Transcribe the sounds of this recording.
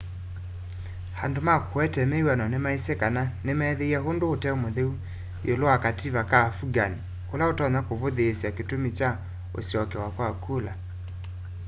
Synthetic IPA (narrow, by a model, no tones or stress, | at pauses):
handomakʰowɛtɛmɛiwanɔnemaisɛkananemɛːðeiaɦondoːtɛomoðeu | joloakatiβakaːfuɡani | olaotɔnakoβoðeːsjaketomit͡ʃa | o̰sjɔkɛwakwakula